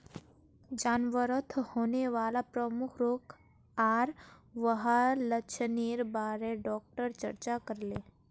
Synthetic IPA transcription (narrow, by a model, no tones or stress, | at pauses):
d͡ʒaːnʋəɾət̪ʰhoːneʋaːlapɾəmʊkʰɾoːk | aːɾʋəɦalətːt͡ʃʰəniːɾbaːɾeɖɔːk̚ʈəɾt͡ʃə̰ɾt͡ʃakəɾleː